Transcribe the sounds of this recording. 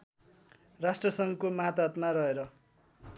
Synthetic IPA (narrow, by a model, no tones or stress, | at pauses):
rasʈrʌsʌŋkomat̪ʌt̪maɾʌɦeɾʌ